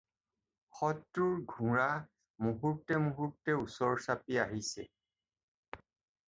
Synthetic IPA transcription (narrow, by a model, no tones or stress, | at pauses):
xɔtɹuɹɡʱũɹa | muɦutːɛmuɦutːɛusɔɹsapiaɦisɛ̰